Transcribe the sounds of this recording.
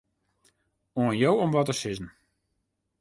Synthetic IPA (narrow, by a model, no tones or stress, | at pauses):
oənjowomʋɔtəsɪzn̩